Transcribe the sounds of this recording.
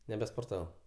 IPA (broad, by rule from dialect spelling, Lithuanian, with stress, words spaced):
nʲɛbʲɛspoːrˈtɑːʋɐʊ